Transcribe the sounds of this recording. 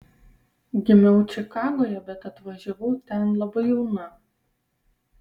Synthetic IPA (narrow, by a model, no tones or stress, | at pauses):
ɡʲɪmʲɛʊt͡ʃʲɪkɑːɡoːjɛbʲɛt̪ɐt̪ʋɐʒʲɛʋɐʊt̪ʲɛnlˠɐbɐɪjɛʊnɐ